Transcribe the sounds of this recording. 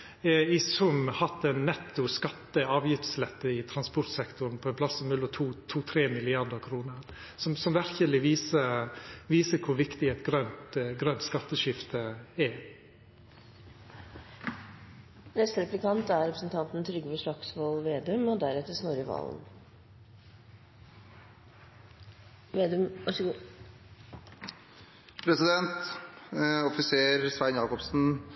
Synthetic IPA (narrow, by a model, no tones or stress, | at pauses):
ɪsʉmhɑt̪ːɛnːɛt̪ːʊskɑt̪ːəɑːʋjɪft̪slɛt̪ːəɪt̪ʰɾɑnspɔɾt̪sɛkt̪ʊɾn̩pʰɔɛnpʰlɑsɔmnʉlɔt̪ʰuːt̪ʰuːt̪ʰɾeːmɪlɪɑd̪əɾkʰɾuːnə | sɔmsɔmʋæɾçəlɪʋiːsəʋiːsəkʰʊɾʋɪkt̪ɪɛt̪ɡɾœnt̪ɡɾœnt̪skɑt̪ːəʃɪft̪ʰəɛ | nɛst̪əɾɛplɪkʰɑnt̪æɾɾɛpɾəsn̩t̪ʰɑnt̪n̩t̪ʰɾʏɡəʋəʂɭɑksʋolʋeːd̪ʉmɔd̪æɾɛt̪ːəsnoːɾəʋɑ̰ːln | ʋeːd̪ʉmʋɑʂɡ | pʰɾɛsɪd̪ɛnt̪ | ɔfɪseːɾsʋæɪnjɑːkɔpsn̩